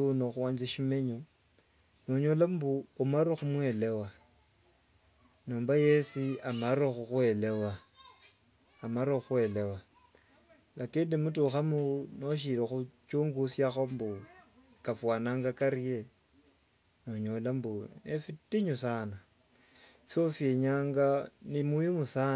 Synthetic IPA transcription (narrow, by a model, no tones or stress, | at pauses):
noxuwaːɲd͡ʒeʃimeɲo | noɲolambuomaɾoxumwelewa | noːmbajesiamaɾoxuxwelewa | maɾoxwe̞lewa | lakeːndimutuxamunoʃ̬ilexut͡ʃuːŋɡusjaxombu | kafwaːnaːŋɡakaɾie | noɲolambunefitiɲusaːna | sofjeɲaːŋɡanimuimusa